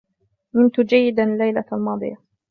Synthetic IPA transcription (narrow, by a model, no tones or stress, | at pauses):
mɪnt̪ʊd͡ʒajːɪd̪alːajlaalmɑːd̪ˤɨ̰ja